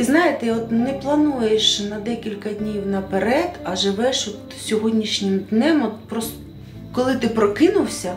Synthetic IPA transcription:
znɑjet̪ɛɔt̪nɛplˠɐnujeʃnɐd̪ɛkʲilʲkɐd̪ʲnʲiwnɐpeɾɛd̪ɐʒɪʋɛʃɔt̪ | sʲɔɦɔdʲnʲiʃnʲɪmd̪nɛmɔt̪̚pɾɔs | kɔlˠɪt̪ɪpɾɔkɪnʊwsʲɐ

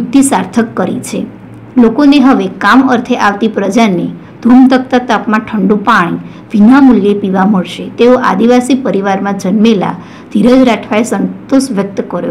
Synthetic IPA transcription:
ukt̪isaɾt̪ʰəkːəɾḭt͡ʃʰe | lokoneɦəʋekaməɾt̪ʰeʔaʋt̪ipɾəd͡ʒane | d̪̥ʱuɳt̪ək̚t̪at̪apmãʈʰəɳɖũpaɽ̃i | ʋinamuljepiʋaməɭʃet̪eoʔa̰d̪iʋasipəɾiʋaɾmãd͡ʒənmela̰ | d̪̥ʱiɾəd͡ʒɾaʈʰʋaesənt̪oʃʋjək̚t̪kəɾjo̰

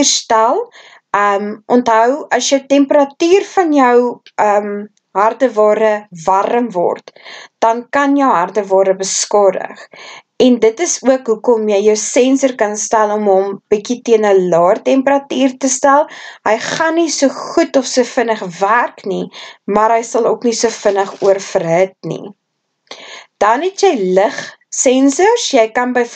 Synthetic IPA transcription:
rstælˠ | əːmʔɔntɦœwɐsjətɛmpəɾɐtyːrfɐnjœwəːm | ɦɐrdəvɑːɾəvɐɾəmvɔ̰rtd̥ɐnkɐnjəwɦɐrdəvɑːɾəbəskɔdə̰χ | ɛndətəsuəkɦukɔmjəjjəwsɛnsərkɐnstælˠɔmɦɔmb̥ikitiənəlɑːrtɛmpəɾɐtiːrtəstælˠɦəjχɐnːisuəχutɔfsufənəχværknimɐɾɦəjsɐlˠṵknisuəfənəχuərfərɦət̚nḭ | d̥ɐnɦɛtjɛjləχsɛnsərsjəjkɐnbəj

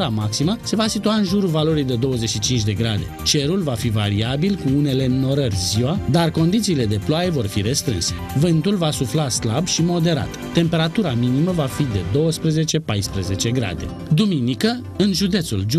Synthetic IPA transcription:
ɾamaksiməse̞vasit̪uaɨnʒuɾuvalo̞ɾijd̪e̞d̪o̞wəze̞t͡ʃʃit͡ʃint͡ʃʲd̪e̞ɡɾad̪e̞̰t͡ʃe̞ɾulvafiva̰ɾiabilkuune̞le̞nːo̞ɾərʲziwad̪arko̞nd̪it̪siːle̞d̪e̞ploaje̞vo̞rfiɾe̞st̪ɾɨ̰nse̞vɨnt̪ulvasuflaslabʃimo̞d̪e̞ɾa̰t̪t̪ːe̞mpe̞ɾat̪uɾaminiməvafid̪e̞d̪o̞wəspɾeze̞t͡ʃe̞pajspɾəze̞t͡ʃe̞ɡɾa̰d̪e̞̰ | d̪uminikə | ɨnʒud̪e̞t̪suld͡ʒ

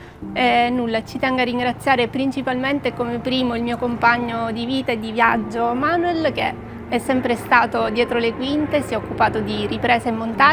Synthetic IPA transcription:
ɛnulːat͡ʃit̪ɛŋɡarːiŋɡɾat̪sːjaːɾepɾint͡ʃipalment̪ekomepɾiːmoilmiːokompaɲːod̪iviːt̪aed̪ːivjad͡ʒːomanuɛlk̟e | ɛsːɛmpɾest̪aːt̪od̪jɛːt̪ɾolekwint̪esjɛokːupaːt̪od̪iripɾɛːsemːont̪a

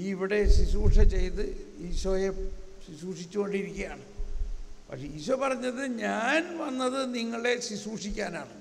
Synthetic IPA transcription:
iʋiɽe̞sisuːʂɐt͡ɕe̞jt̪ɨiɕoːjesisuːʂit͡ɕʲːuko̞ɳɖiɾikʲːɐjaːɳɨ | pɐ̰kʂeiːɕopɐrɐɲːɐðɨɲaːnʋɐnːɐðɨniŋːɐɭe̞sisuːʂikʲːaːnaːɳɨ

